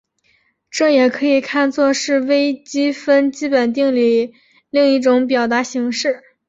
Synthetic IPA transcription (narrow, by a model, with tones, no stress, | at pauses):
ʈ͡ʂɤ˥˩jɛ˨˩kʰɤ˧˥i˨˩kʰa˥˧nt͡swɔ˥˧ʂɻ̩˥˩we˥ɪt͡ɕi˥fə˥nt͡ɕi˥pə˨˩nt̪i˥˧ŋli˥˩ | li˥˧ŋi˥˩ʈ͡ʂʊ˧˥ŋp̬jɑ˨˩ʊt̪a˧˥ɕi˧˥ŋʂɻ̩˥˩